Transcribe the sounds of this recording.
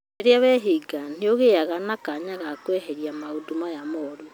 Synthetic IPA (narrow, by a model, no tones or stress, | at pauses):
eɾeaβɛɦiːɡaneoɣeaɣanakaɲaɣakwɛɦeɾiamaodumajamɔːɾu